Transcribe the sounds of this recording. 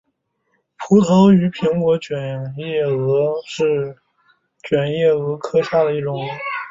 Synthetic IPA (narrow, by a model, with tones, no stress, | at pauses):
pʰu˧˥t͡sʰo˧˥ʊy˧˥pʰi˧˥ŋkwɔ˧˥t͡ɕɥɛ˨˩njɛ˥˩ɤ˧˥ʂɻ̩˥˩ | t͡ɕɥɛ˨˩njɛ˥˩ɤ˧˥kʰɤ˥ɕja˥˩d̪ə˩i˥˩ʈ͡ʂʊ˨˩˦ŋ